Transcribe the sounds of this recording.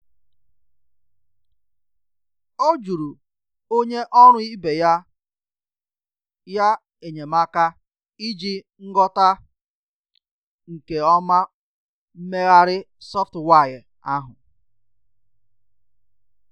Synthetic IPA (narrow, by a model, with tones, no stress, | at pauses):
o˦d͡ʒu˨ɾu˨ | o˦ɲe˦ʔɔ˦ɾ̃ʊ˦i˦be˨ja˦ | ja˦ | e˨ɲe˨ma˦ka˦ | i˦d͡ʒi˦ | ŋ̩˦ɡɔ˦ta˦ | ŋ̩˨ke˨ɔ˦ma˦ | m̩˦me˦ɣa˦ɾɪ˦ | sɔ˦ftwa˦˨j | a˦ɦʊ˨